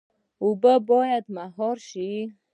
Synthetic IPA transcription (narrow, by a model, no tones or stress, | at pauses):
ubabɔjad̪maɦɔɾʃi